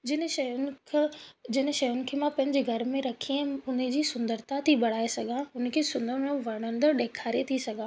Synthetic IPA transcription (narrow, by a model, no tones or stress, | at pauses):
d͡ʑɪnʃɐjʊnkʰd͡ʑɪn̆ʃɐjʊnɪ̆kʰeːmãpɐ̃ɦɪ̃ɲd͡ʑeɡʱɐɾmẽɾɐkʰĩʊn̆d͡ʑiːsʊ̃nd̪əɾt̪at̪ʰiɓɐɽ̤aːesɐɡʱãʊn̆kʰeːsʊ̃nd̪əɾmẽʋɐɽ̃ə̃nd̪əɾɗeːkʰaːɾet̪ʰisɐɡʱãː